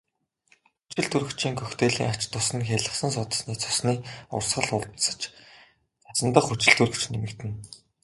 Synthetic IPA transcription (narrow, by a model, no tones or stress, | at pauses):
xut͡ɕɪ̆ɮt̪urɵ̆t͡ɕiːŋkʰɵxt̪ʰeːɮḭːŋat͡ɕt̪ʰːʊsɘ̆nxʲeɮə̆χsə̆ns̬ʊt̪ə̥̆sniːt͡sʰʊ̥sniːʊ̰rsχə̆ɮʊɮt̪sə̥̆t͡ɕ | t͡sat͡sə̆nt̪ə̆χut͡ɕɪ̆ɮt̪ur̆t͡ɕnemɘ̆kt̪ɘ̆n